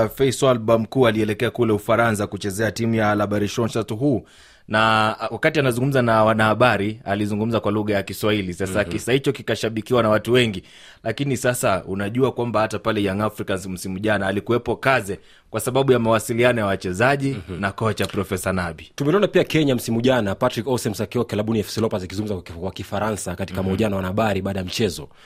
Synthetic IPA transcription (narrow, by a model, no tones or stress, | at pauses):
fɛjswalbam̩kuːaliɛlɛkɛakulɛufaɾans̬akut͡ʃɛzɛatimujalaɓaɾiʃɔnʃatɦuː | nawakatianazuŋɡum̩zanawanahaɓaɾializuŋɡum̩zakwaluɣajakiswahilisasakisahit͡ʃɔkikaʃaɓikiwanawatuwɛŋɡi | lakinisasaunaʄuakwambahatapalɛjaŋafɾikanzm̩simuʄanaːlikuwɛpɔkazɛ | kwasaɓaɓujamawasilianɔjawat͡ʃɛzaʄinakɔt͡ʃapɾɔfɛsanaɓitumɛniɔnapiakɛɲam̩simuʄanapatɾikɔsɛmsakiwakɛlaɓuniɛfsilɔpazakizuŋɡum̩zakwakifaɾansakati̥kamɔʄanawanaaɓaɾiɓaːɗajam̩t͡ʃɛzɔ̰